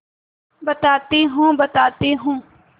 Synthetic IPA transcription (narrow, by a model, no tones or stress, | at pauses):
bət̪aːt̪iːɦũːbət̪aːt̪iːɦũː